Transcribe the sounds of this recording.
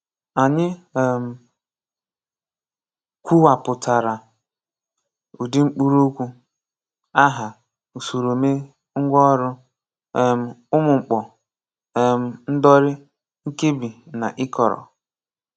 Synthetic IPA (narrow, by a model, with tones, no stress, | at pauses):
a˨ɲɪ˦˨m̩˨ | kʷu˦wa˨pʊ˨tʰa˨ɾa˨ | u˨di˦ŋ͡m̩˦k͡pu˦ɾu˦kʷu˦ | a˦ɦa˨ | u˨so˨ɾo˨me˦ | ŋ̩˦ɡʷɔ˦ɾʊ˦˨ | m̩˨ʊ˦mʊ˨ŋ͡m̩˨k͡pɔ˨ | m̩˨n̩˦dɔ˦ɾɪ˦ | ŋ̩˦ke˦bi˨na̰˨ʔɪ˦kɔ˨ɾɔ̰˨